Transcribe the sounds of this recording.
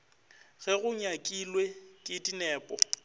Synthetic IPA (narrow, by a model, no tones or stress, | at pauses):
ɣɛɣʊɲakʼilwekʼɪdinɛːpʼɔ